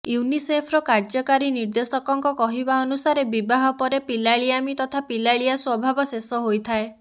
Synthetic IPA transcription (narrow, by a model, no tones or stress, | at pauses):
junisepʰɾɔkaɾd͡ʒɔkaɾiniɾd̪esɔkɔŋkɔkɔɦibaɔnusaɾebibaɦɔpɔɾepilaɭiamit̪ɔt̪ʰapilaɭijaswɔbʱabɔsesɔɦojt̪ʰae